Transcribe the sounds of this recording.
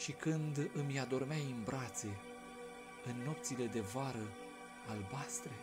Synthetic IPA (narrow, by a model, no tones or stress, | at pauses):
ʃikɨnd̪ɨmjad̪o̞rmeaimbɾat̪se̞ | ɨnːo̞p̚t̪sile̞d̪e̞vaɾə | albast̪ɾe